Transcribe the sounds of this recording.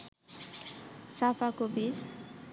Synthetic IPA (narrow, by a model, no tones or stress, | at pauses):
safakobiɾ